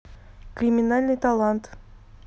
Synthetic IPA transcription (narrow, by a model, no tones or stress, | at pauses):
krʲimʲɪnalʲnɨjt̪alˠant̪